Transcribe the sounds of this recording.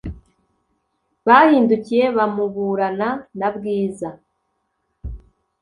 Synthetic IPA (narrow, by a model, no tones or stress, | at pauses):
βahiːnducije̞βamuβuːɾananabɡiːza